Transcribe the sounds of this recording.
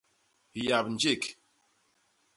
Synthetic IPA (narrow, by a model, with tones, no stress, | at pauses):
hja˨bn˨d͡ʒi˦˨k